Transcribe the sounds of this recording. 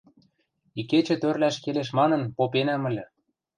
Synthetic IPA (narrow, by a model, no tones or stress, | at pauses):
iket͡ɕĕt̪ørlæʃkeleʃmɑnɤ̆npopenæmə̆lʲɤ̆